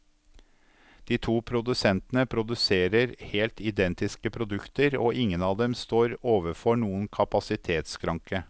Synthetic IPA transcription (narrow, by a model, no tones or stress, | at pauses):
d̪̥iːt̪ʰuːpʰɾʊd̪ʉsɛnt̪ənəpʰɾʊd̪ʉseːɾəɾheːlt̪ʰɪd̪ɛnt̪ɪskəpʰɾʊd̪ʉkt̪əɾoːʔɪŋːənɑːʋd̪ɛmst̪oːɾoːʋəɾfɔɳuːənkʰɑpɑsɪt̪ʰeːt̪skʰɾɑŋkə